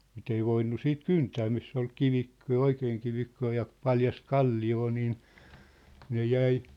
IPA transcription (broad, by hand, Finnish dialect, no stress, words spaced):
mit ei ʋoinːu siːt kyntæː misː ol kiʋikːə̆ jɑ oikeːŋ kiʋikːoː jɑ pɑljɑst kɑlːioː niːn ne jæi